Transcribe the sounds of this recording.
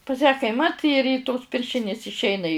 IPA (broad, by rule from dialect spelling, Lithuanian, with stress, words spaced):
pɐs jæː kɐɪˈmɐt ɪr iː toːs ˈpʲɪrʲʃʲɪnʲɪs ɪʃʲˈɛɪnɐ ɪ